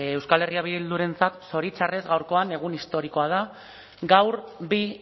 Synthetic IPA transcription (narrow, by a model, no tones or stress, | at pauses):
ewskale̞riaβ̞iðild̪uɾe̞nt͡sat̪so̞ɾit͡sare̞zɣawɾko̞ane̞ɣ̞unist̪o̞ɾiko̞að̞a | ɡawɾbi